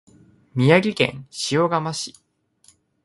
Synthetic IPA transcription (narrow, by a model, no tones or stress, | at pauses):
mʲijaɡʲikẽ̞̰ɰ̃ɕijo̞ɡamaɕi̥